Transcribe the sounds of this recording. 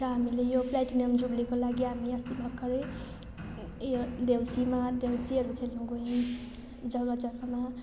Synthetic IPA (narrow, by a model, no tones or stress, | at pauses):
ɾʌɦamilejoplaʈinʌmd͡zublikolaɡiɦamiʌst̪ibʌkːʌɾe | d̪ewsimad̪ewsiɦʌɾukʰelnuɡoĩ | d͡zʌwlʌd͡zʌɡama